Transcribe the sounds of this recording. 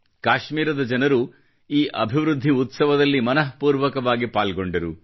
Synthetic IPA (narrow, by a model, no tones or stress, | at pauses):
kaːʃmiːɾɐd̪ɐd͡ʒɐnɐɾu | iːʔɐbʱiʋɾud̪ʱːiut̪sɐʋɐd̪ɐlːimɐnɐɦpuːɾʋɐkɐʋaːɡipaːlɡo̞ɳɖɐɾu